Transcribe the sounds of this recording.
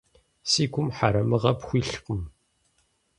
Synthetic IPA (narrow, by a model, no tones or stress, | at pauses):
sikʷʊmħaɾaməʁapxʷiɬqəm